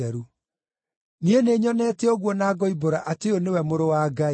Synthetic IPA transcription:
ɛɾu | nieneɲɔnɛːtɛɔɣwɔnaːɡɔiboɾaʔateonewɛmoɾowaɡa

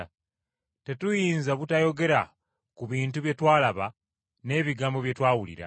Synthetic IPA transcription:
te̞tujiːnzaβutajo̞ɡe̞ɾa | kuβiːntuβje̞twaːlaβa | ne̞ːβiɡaːmbo̞βje̞twaːwulḭɾa̰

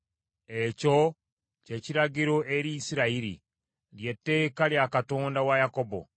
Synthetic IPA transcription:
eco | ce̞ciɾaɡiɾo̞ʔeɾisiɾaiɾḭ | lje̞tːe̞ːkaljakatondawajakobo̰

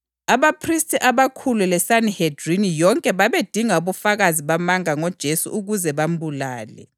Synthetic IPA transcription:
aβapʰristʼiʔaβakʰululɛsanihed̥rinijɔŋkʼɛβaβed̥ʱiŋauβufaɣaziβamaŋaŋɔd̥ʒ̥ʱesṵʔuɣuzɛβambulaːlɛ̰

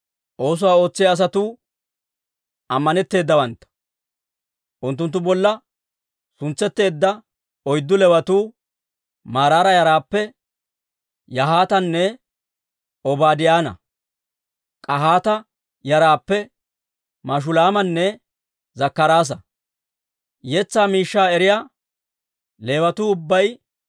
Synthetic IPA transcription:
ʔo̞ːs̬ʊwaːo̞ːt͡sːɪjɐːs̬ɐt̪uː | ʔɐmːɐnɛt̪ːe̞ːd̪ːɐwɐnt̪ːɐ̥ | ʔʊnt̪ːʊnt̪̬ːʊbɔlːɐ | sʊnt͡sːɛt̪ːe̞ːd̪ːɐ | ɔjd̪ːʊlɛwɐt̪uː | maːɾaːɾɐjɐɾaːpːɛ | jɐɦaːt̪ɐnːɛ | ɔbaːd̪ɪjaːnɐ̰ | kʼɐhaːt̪ɐ | jɐɾaːpːɛ | maʃ̬ʊlaːmɐnːɛ | zɐkːɐɾaːs̬ɐ | jɛt͡sːaːmiːʃːaːɛɾɪjaː | le̞ːwɐt̪uːʊbːɐj

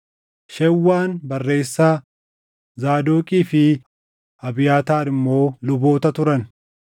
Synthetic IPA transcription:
ʃɛwːaːnbɐrːe̞ːsːaː | zaːd̪oːkʼiːfɪ | ɐbɪjaːt̪aːɾɪmːo̞ːlʊbo̞ːt̪ɐt̪ʊɾɐn

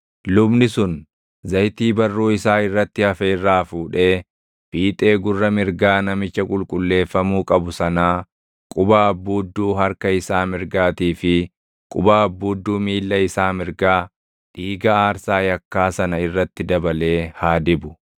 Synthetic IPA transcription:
lʊbnɪsʊn | zɐjt̪iːbɐrːuːɪsaːɪrːɐt̪ːɪhɐfeɪrːaːfuːᶑe̞ː | b̥iːt̪ʼe̞ːɡʊrːɐmɪɾɡaːnɐmɪt͡ʃːɐkʼʊlkʼʊlːe̞ːfːɐmuːkʼɐbʊsɐnaː | kʼʊbaːɐbːuːd̪ːuːɦɐɾkɐɪsaːmɪɾɡaːt̪iːfɪ | kʼʊbaːɐbːuːd̪ːuːmiːlːɐɪsaːmɪɾɡaː | ᶑiːɡɐaːɾsaːjɐkːaːsɐnɐɪrːɐt̪ːɪd̪ɐbɐle̞ːhaːd̪ɪbʊ

